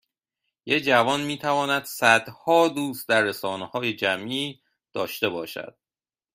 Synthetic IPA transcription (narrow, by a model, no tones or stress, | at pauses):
jed͡ʒævɒːnmiːt̪ʰævɒːnæd̪̥sæd̪̥hɒːd̪uːst̪̚d̪æɾːesɒːnehɒːjed͡ʒæmʔiː | d̪̥ɒːʃt̪e̞bɒːʃæ̰d̪̥̚